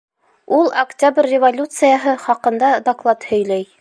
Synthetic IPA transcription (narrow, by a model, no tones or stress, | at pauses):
ulˠɐktʲabrʲːɪvolʲut̪sɨjɑɦɤχɑqɤ̆nd̪ɑd̪aklˠɑt̪hɵ̆jlæj